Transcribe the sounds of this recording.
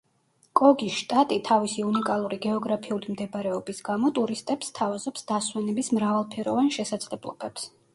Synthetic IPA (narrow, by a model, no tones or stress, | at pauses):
kʼɔɡiʃt̪ʼat̪ʼit̪ʰavisiunikʼalˠuɾiɡɛɔɡɾapʰiulimd̪ɛbaɾɛɔbisɡamɔt̪ʼuɾist̪ʼɛpst̪ʰavazɔpsd̪̥aswɛnɛbismɾavalˠpʰɛɾɔvanʃɛsad̪z̥lɛblˠɔ̰bɛps